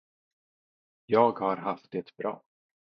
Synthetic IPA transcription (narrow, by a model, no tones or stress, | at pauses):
jɑːɡhaɾɦaft̪̚d̪ɛt̪bɾɑ̰ː